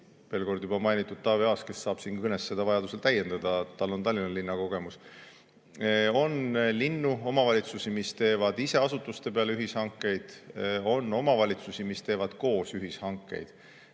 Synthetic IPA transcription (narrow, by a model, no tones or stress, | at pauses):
pe̞ːlko̞rd̪jubɑmɑjnit̪ːˑud̪̥̚t̪ɑːviɑːske̞sːɑːb̥siːnkɤnesːe̞d̪ɑvɑjɑd̪use̞lt̪æjːe̞nd̪̥ɑd̪̥ɑt̪ɑlːo̞nt̪ɑlʲːinɑlinːɑko̞ɡ̥e̞mus | o̞nlinːuo̞mɑvɑlʲit̪susimist̪e̞ːvɑd̪̥ise̞ɑsut̪ːˑust̪e̞pe̞ɑlyɦishɑŋkːˑe̞jd̪̥o̞nːo̞mɑvɑlʲit̪susimist̪e̞ːvɑd̪̥ko̞ːsyɦishɑŋkːˑe̞̰jd̪̥